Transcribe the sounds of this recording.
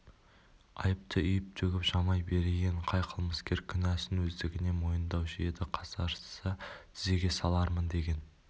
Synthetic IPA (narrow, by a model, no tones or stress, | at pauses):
ɑ̰jəp̚t̪ʰəʏjɪp̚t̪ʰɵɡʲɪpʒɑmɑjbe̞ɾeɡʲeɴqʰɑjqʰəlˠməskʲe̞ɾkʲʰʏnæsɪnwɵzd̪ɪɡʲɪne̞mo̞jənd̪ɑwʒijed̪ɪqʰɑsɑɾsət̪ʰɪze̞ɡʲe̞sɑlˠɑɾmənd̪e̞ɡʲe̞n